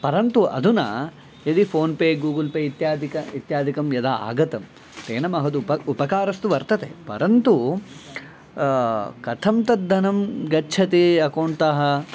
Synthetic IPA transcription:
pɐɾɐnt̪uʔɐ̰d̪unɐ̰ | ɐd̪ipʰoːnpeːɡuːɡɐlpeːit̪jaːd̪ʱikɐit̪jaːd̪ʱikɐmjɐd̪aːa̰ːɡɐt̪ɐm | t̪eːnɐmɐɦɐd̪upɐupɐkaːɾɐst̪uʋɐɾt̪ɐt̪ḛpɐ̰ɾɐnt̪u | kɐt̪ʰɐmt̪ɐd̪ʱːɐnɐmɡɐtːt͡ʃʰɐt̪iɐkoːɳt̪ɐɦɐ

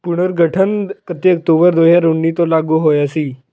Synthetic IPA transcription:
puɽ̤̃əɾɡʱəʈʰənpət̪eək̚ʈ̪obəɾd̪oɦjaɾuɳːit̪olaɡuːɦojəsiː

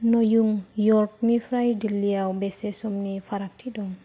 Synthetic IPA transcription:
nɔjuŋjɔɾk̚nifɾajdiliawbesesɔmnifaɾak̚tʰidɔŋ

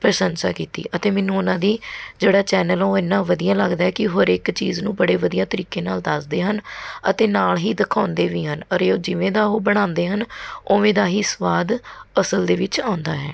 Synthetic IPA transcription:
pɾəʃənsa̰ːkiːt̪ḭːʔət̪eːmɛ̃ːnũːʊnãːd̪iːd͡ʒeːɽaːt͡ʃɛːnəloːɪnːãːʋəd̪ijãːləɡd̪aːɛːkɪɦoːɾɪkt͡ʃiːznũːbəɽeːʋəd̪ijãːt̪əɾiːkeːnaːld̪əsd̪eːɦənət̪eːnaːlɦiːd̪əkʰaːʊ̃nd̪eːʋiːɦənɔɾeoːd͡ʒɪʋẽːd̪aːɦoːbəɽ̃ãːnd̪eːɦənoːʋẽːd̪aːɦiːsʋaːd̪əsəld̪eːʋɪt͡ʃaːʊ̃nd̪aːɦɛː

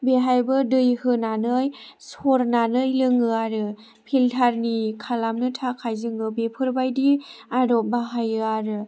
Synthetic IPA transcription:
beɦajbɯdɯjhɯnanɯj | soɾnanɯjlɯŋɯaɾɯ | pʰiltʰaɾnikʰalamnɯtʰakʰajzɯŋɯbepʰɯɾbajdiaɾɔp̚baɦajɯaɾɯ

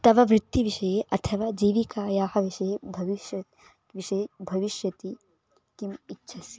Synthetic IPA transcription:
t̪ɐʋɐʋɾɪt̪ːiʋiʃɐjeʔɐt̪ʰɐʋaːd͡ʒiːʋikaːjaːhɐʋiʃɐjebʱɐʋiʃjɐ | ʋiʃɐjebʱɐʋiʃjɐt̪i | kimitːʃʰɐsji

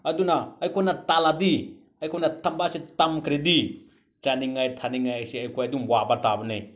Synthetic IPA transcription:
ɐdunaːjkʰonataladi | ɐjkʰojnatɐmbasetɐmkʰɾedi | t͡ʃaniŋajtʰaniŋajajseɐjkʰojɐdumwabatabɐne

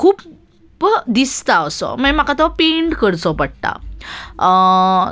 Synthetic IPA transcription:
kʰuːp | bd̪ist̪aəsɔ̰məmakat̪ɔpeɳʈkəɾt͡sɔpəɽt̪a̰

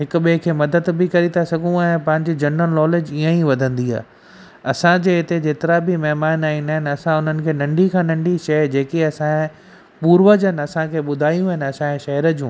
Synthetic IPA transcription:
ɦɪkʊ̆ɓikʰeːmɐd̪əd̪bɪkɐɾit̪ʰasɐɡʱũɛ̃ːpɐ̃ɦɪ̃ɲd͡ʑid͡ʑɐnːəlnɔːleːd͡ʑiːə̃iʋɐd̪ʱə̃nd̪ia̰ː | ɐsãd͡ʑeːɪt̪ed͡ʑeːt̪ɪɾabʱɪmɛɦmaːnaːĩnaːɦɪnɐsãʊn̤ənɪ̆kʰeːnɐ̃ɳɖʱikʰãːnɐ̃ɳɖʱiʃɐd͡ʑeːkiɐsã | puːɾʋəd͡ʑənɪ̆ɐsãkʰeːɓʊd̪ʱaːijũɦɪnɪɐsãʃɐɦəɾəd͡ʑũː

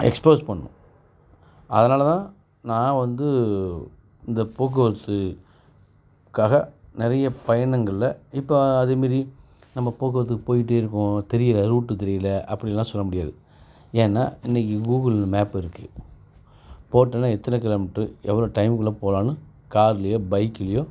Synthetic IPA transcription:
ɛ̰kspoːspɐɳːʊ̰̃ | ʔɐ̰ðɐnaːlɐt̪ãː | nãːʋɐnd̪ɯ | ɪnd̪ɐpoːk̬ːɯʋɐɾɐt̪ːɯ | kːaːɣɐnɪɾɐjɐpɐjɐɳɐŋɡɐɭɪlɐɪpːoɐðɯmeːɾi | nɐmːɐpoːk̬ɯʋɐɾt̪ːɯkːɯpoːjɪʈ̬ːeɪɾɯkːʊ̃t̪ɛɾɪjɪlɐɾuːʈːɯt̪ɛɾɪjɪlɐʔɐpːɐɽɪlːãːsɔlːɐmʊɽɪjaːðɯ | eːnːa̰ːɪnːɛkːiɡuːɣɐlmeːpɪɾɯkːɯ | poːʈːɐnːaːɛt̪ːɐnɐkɐlɐmɐʈːɯɛʋːɐloːʈɐɪmkɯɭːɐːpoːlaːnɯ | kaːɾlɐjoːbɐɪkːɪlɐjoː

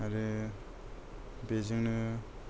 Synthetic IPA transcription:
aɾe | beziŋnɯ

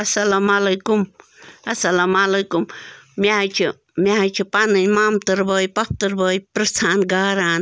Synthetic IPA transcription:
ɐsɐlamalɐjkum | ɐsɐlamalɐjkummjaːjt͡ʃʰi | mjajt͡ʃʰipanɨɲmamt̪ɨɾbəːjpɐp̚t̪ɨɾbəːjpɾɐst̪ʰaːnɡaːɾaːn

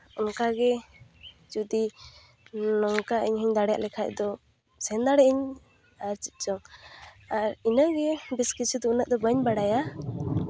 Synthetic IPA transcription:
ɔnkaɡɛ | d͡ʒud̪i | nɔŋkaʔəɲɦiɲd̪aɽɛja̰ʔlɛkʰaʔd̪ɔ | sɛnd̪aɽɛʔəɲ | aɾt͡ʃit̪̚t͡ʃɔŋ | aɾinəɡɛbɛskit͡ʃʰud̪ɔunəʔ̚d̪ɔbəɲbaɽaja

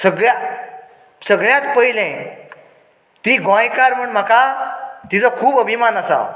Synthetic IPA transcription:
səɡɭja | səɡɭjãt̪pəilɛ̃ | t̪iːɡʱõjkaɾm̤əɳm̤akat̪it͡sakʰuːbəbʱimanasa̰

